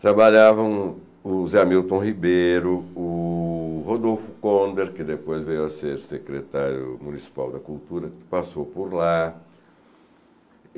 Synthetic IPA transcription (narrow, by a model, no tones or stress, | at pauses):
t̪ɾabaʎavɐ̃w̃ | ʊzamiwt̪õhibeɾʊʊ | hod̪owfʊ̥kõnd̪eɾkɪd̪epojzvejɐseɾsekɾet̪aɾjʊ̰mũnisi̥pa̰wd̪ɐkult̪uɾɐpasowpoɾla